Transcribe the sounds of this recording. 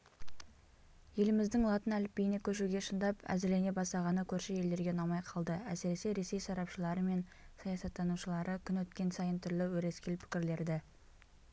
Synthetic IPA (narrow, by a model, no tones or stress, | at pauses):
je̞lɪmɪzd̪ɪŋlˠɑt̪ənælɪpːejɪne̞kʲʰɵʃuɡʲe̞ʃənd̪ɑpæ̰zɪle̞ne̞bɑsɑʁɑnəkʲʰɵɾʃeje̞ld̪e̞ɾɡʲe̞nɑmɑjqʰɑlˠd̪əæseɾe̞se̞ɾe̞se̞jsɑɾɑpʃəlˠɑɾəme̞n | sɑjɑsɑt̪ːɑnuʃəlˠɑɾəkʲʰʏnwɵt̪kʲe̞nsɑjənt̪ʰʏɾlɪwɵɾe̞skʲelpʰɪ̥kʲɪɾle̞ɾd̪ɪ